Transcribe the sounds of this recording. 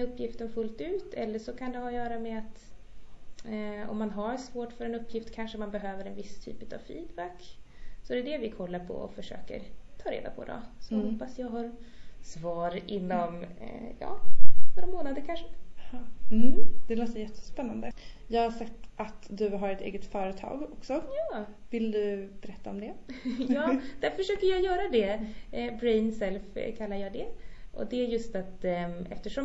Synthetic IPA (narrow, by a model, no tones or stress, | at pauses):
ɵpːjɪft̪ənfɵlt̪ʉ̟ːt̪ʰɛlːəʂɔkʰand̪ɛhajœːɾameat̪ | ɔ̰mːanɦaɾsvoːʈfœɾɛnɵpːjɪft̪kʰanʂəmanbɛɦøːvəɾɛnvɪst̪ʰy̰ːpʉːt̪ʰavfḭːd̪bækːsɔd̪ɛd̪ɛvɪkʰɔlːaɾpʰɔ̰ɔ̰fœʂø̰ːkə̰ɾt̪ʰɑːɾḛːd̪a̰pʰɔ̰d̪ɔ̰sɔhɔpːasjɑːɡɦɑɾsvɑːɾɪnːɔmjɑ̰ːnɔɾamoːnad̪əɾkʰanʂɛ | d̪̥ɛloːt̪əɾjɛt̪ʰːə̥spɛnːand̪əjɑːɡhasakt̪ːat̪d̪ɵɦaɾɛt̪ʰḛːɡət̪fœːɾət̪ʰɑ̰ːɡɔksɔjɑːvɪld̪ɵb̥ɛɾɛt̪ːaɔmd̪ɛjɑːd̪̥æɾfœʂøːkəɾjɑːjœːɾad̪ɛbɾɛɪnsɛlfkʰalːaɾjɑːd̪ɛʔɔ̰d̪ɛæɾjɵst̪at̪ɛft̪əʂɔ